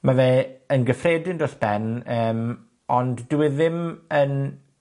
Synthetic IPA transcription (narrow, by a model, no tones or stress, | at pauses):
maveːənɡəfreːdɪndosb̥ɛnəːm | ɔnddɪwɪðɪmən